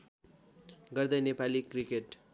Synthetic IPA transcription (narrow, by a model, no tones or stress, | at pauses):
ɡʌrd̪ʌjnepalikrikeʈ